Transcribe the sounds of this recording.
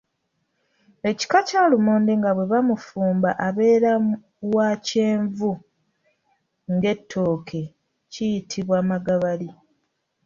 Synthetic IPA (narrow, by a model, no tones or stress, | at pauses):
e̞ci̥kacaːlumoːndeŋɡaβwe̞βamufuːmbaʔaβe̞ːɾa | wace̞ːɱvu | ŋɡe̞tʰːo̞ːkʰe̞ | cijitʰiβwaːmaɡaβali